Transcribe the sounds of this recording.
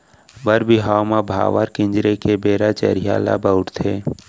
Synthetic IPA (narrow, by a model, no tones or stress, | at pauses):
bəɾbiɦaːmabʱa̰ːʋaɾkɪ̃nd͡ʒɾekebeːɾat͡ʃə̰ɾɪja̰ːla̰bəʊʈt̪ʰeː